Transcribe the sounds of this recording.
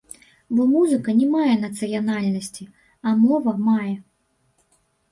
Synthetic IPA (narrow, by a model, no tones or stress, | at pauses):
bɔmuzɨkɐnʲɛmajɛn̪ɐt̪sɨjanalʲnɐsʲt͡sʲi | ɐmɔvɐmajɛ